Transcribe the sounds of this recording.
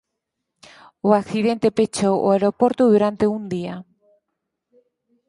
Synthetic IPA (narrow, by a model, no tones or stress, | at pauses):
oakθiðent̪epet͡ʃowʔo̰aeɾopoɾt̪uðuɾant̪eund̪ia